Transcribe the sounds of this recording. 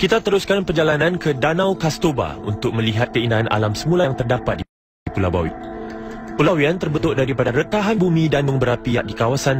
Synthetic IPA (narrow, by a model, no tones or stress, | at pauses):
kit̪at̪əɾuskanpərd͡ʒalanãnkədanãwkast̪oba̰ṵnt̪ʊk̚mə̃liɦat̪̚kəinaanʔa̰lamsəmũlaŋt̪ərdapat̪̚di | ipulaba̰wḭ | pulawiant̪ərbət̪ʊʔ̚daɾipadaɾək̪aɦanbumĩdanmə̃mbəɾapijaʔ̚dikawasan